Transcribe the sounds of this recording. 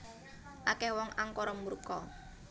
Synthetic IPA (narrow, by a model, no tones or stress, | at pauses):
ʔakɛhwɔŋʔaŋkɔɾɔmuɾukɔ